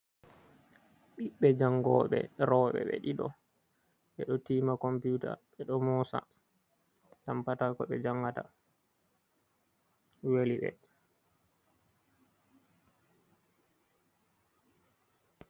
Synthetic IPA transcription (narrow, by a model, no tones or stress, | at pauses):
ɓiɓːɛd͡ʒaŋɡɔ̰ːɓɛ̰ɾɔɓɛ̰ɓḛɗiɗɔ | ɓɛɗɔtiːmakɔmputa̰ɓɛɗɔmɔsa̰ | tampatakɔɓɛd͡ʒaŋɡata̰ | weliɓɛ̰